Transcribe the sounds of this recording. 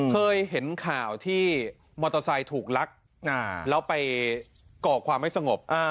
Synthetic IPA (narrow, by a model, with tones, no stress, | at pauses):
kʰɤː˧jɦe˩˦nkʰaː˨˩wt̪ʰiː˥˩ | mɔː˧t̪a˧sa˧jt̪ʰuː˨˩k̚la˦˥k̚ | a˧lɛː˦˥wpa˧j | kɔː˨˩kʰwaː˧mha˥˩jsa˧ŋo˨˩p̚ʔa˧